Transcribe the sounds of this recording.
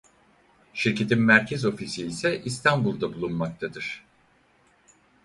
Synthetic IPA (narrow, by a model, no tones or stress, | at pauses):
ʃiɾcʰe̞t̪ʰinmæɾcʰezo̞fisiːsɛʔist̪ʰanbulˠd̪abulˠunmak̚t̪ʰad̪ɯɾ̥